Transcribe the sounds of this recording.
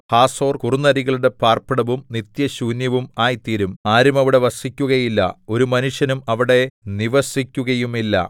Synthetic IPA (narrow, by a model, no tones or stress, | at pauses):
haːso̞ːrkurunːɐɾiɣɐɭuɽe̞paːrpiɽɐʋumnit̪jɐɕuːnjɐʋumaːjt̪iːɾumaːɾumɐʋiɽe̞ʋɐsikʲːuɣɐjilːɐ̰o̞ɾumɐnuʂjɐnumɐʋiɽe̞niʋɐsikʲːuɣɐjumilːɐ̰